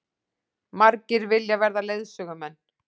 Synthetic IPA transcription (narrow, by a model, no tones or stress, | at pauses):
maɾcɪɾvɪljavɛɾðaleːjðsœːɣʏmɛnː